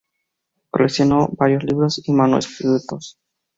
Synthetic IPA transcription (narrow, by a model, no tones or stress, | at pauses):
ko̰leksjonobaɾjozliβɾosimanoest̪it̪ut̪os